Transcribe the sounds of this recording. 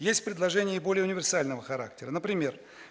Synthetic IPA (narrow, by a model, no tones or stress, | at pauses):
jesʲtʲpɾʲɪd̪lˠɐʐɛnʲɪjəbo̞lʲɪjəʊnʲɪvʲɪrsalʲnəvəxɐɾa̰k̚tʲɪɾənəpɾʲɪmʲe̞r